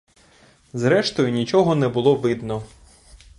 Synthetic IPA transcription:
zɾɛʃt̪ɔjʊnʲit͡ʃɔɦɔnɛbʊlˠɔʋɪd̪nɔ

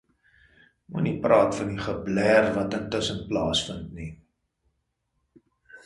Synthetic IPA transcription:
mṵniprɑːtfɐniχəblærvɐtəntəsənplɑːsfəntni

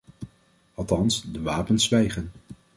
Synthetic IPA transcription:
ɑlˠtɑnsdəʋaːpənsʋɛjχən

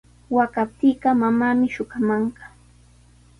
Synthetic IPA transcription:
wakap̚t̪iːɢɑmamaːmɪʃʊɢamɑɴɢɑ̥

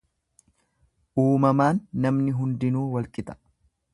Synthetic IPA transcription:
ʔuːmɐmaːnːɐmnɪɦʊnd̪ɪnuːwɐlkʼɪt̪ɐ̥

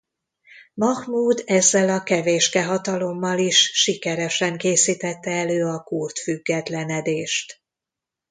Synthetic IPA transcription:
mɒhmuːd̪ɛzːɛlɒkɛveːʃkɛɦɒt̪ɒlo̞mːɒliʃːikɛɾɛʃɛŋkeːsiːt̪ɛt̪ːɛɛløːɒkurt̪fyɡːɛt̪lɛnɛd̪eːʃt̪

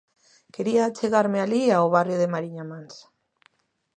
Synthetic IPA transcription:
keɾiaːt͡seɣaɾmealiaoβarjoðemaɾiɲamans

